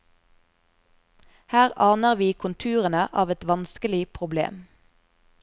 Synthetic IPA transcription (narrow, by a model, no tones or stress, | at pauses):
hæːʁɑːnəʁʋiːkʰʊnt̪ʰʉːʁənəʔɑːʋɛt̪ʋɑnskəlɪpʰʁʊblḛːm